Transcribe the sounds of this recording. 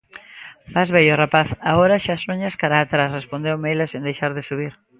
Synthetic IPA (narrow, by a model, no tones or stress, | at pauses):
mazβeʎorapaθaoɾaʃasoɲaskaɾaːt̪ɾasrespond̪ewmejlasind̪ejʃaɾðɪsuβ̞iɾ